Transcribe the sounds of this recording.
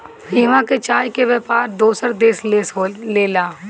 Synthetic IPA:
ɪːʋãket͡ʃaːjkeʋɛpaːɾd̪oːsəɾd̪eːs | leːlaː

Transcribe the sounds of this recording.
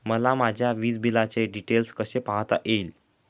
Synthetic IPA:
məlamad͡ʑʱjaʋiːd͡zbilat͡seɖiʈelskəsepaɦt̪a̰ʔel

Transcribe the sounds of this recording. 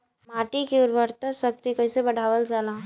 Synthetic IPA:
maːʈikeʊɾʋəɾt̪əsɐk̚t̪ikɐɪsebɐɽ̤ʱaːʋəld͡ʒaːlãː

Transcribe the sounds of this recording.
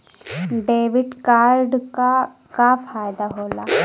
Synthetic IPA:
ɖeʋiɖkaɾɖkakafajd̪aɦola

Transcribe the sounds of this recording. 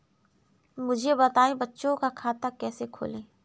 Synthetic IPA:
mʊd͡ʒʱebɐt̪aːẽbɐtːʃõkakʰaːt̪akɛːsekʰo̰ːlẽː

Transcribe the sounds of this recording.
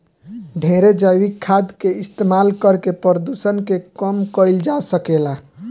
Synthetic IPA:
ɖʱeɾed͡ʒəjʋikʰːad̪keɪst̪emalkəɾkepəɾəd̪usənkekəmkəɪld͡ʒasəkela

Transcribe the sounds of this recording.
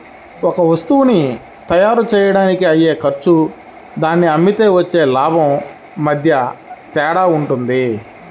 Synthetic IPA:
ɔkɐʋɐst̪uwuni | t̪ɐjaːɾut͡ʃɛːjɐɽaːnikiɐje̞ːkɐɾt͡ʃu | d̪aːnːiɐmːit̪eːʋɐt͡ʃːeːlaːbʱɐmː | ɐd̪ʱjɐt̪ɛːɽaːuɳʈund̪i

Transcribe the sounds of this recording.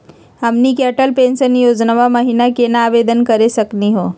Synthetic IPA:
ɦɐmnikɛʈəlpẽːnsənjoːd͡ʒnaʋamɐɦinakenaːʋeːd̪ənkɐɾesɐkniɦoː

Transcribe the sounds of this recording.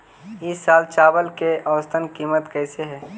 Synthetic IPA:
ɪsːaːlt͡ʃaːbəlkeʔəʋəst̪ʰənkiːmət̪kɛːɪseɦɛː

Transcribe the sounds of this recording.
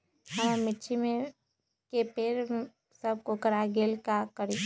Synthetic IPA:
həmɪt͡ʃʰimẽ | kepeːɾ | səb̚kokəɾaɡeːlkakəɾi

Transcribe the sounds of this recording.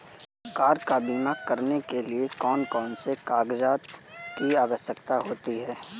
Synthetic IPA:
ɡaːɾkaːbiːmakɐɾnekeliekɔːnkɔːnsekaːɡd͡ʒaːt̪kiaːʋəsjəkt̪aɦoːt̪iɦɛː

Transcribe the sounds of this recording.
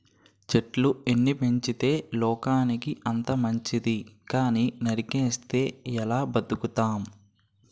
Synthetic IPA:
t͡ʃeʈlue̞nːipe̞ɲt͡ʃit̪e̞ːlɔːkaːnikiʔɐnt̪ɐmɐɲt͡ʃid̪ikaːniːnɐɾikeːst̪e̞ːɛlaːbɐd̪ukut̪aːm

